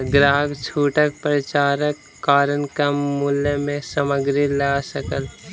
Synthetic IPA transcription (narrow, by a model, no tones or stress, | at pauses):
ɡɾaːɡt͡ʃʰuːʈək̚pɾət͡ʃaːɾəkːaːɾənkamuːljəmẽsəməɡɾilaːsəkəl